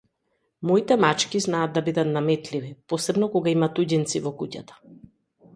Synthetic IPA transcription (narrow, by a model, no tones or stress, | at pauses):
mɔit̪ɛmat͡ʃkiznaːd̪ːabid̪at̪namɛt̪livipɔsɛbnɔkɔɡaimat̪uɟint̪sivɔkucat̪ḁ